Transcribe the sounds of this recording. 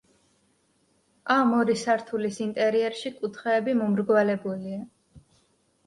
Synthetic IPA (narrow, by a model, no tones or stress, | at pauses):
amɔɾisaɾt̪ʰulisint̪ʼɛɾiɛɾʃikʼut̪ʰχɛːbimɔmɾɡvalɛbulia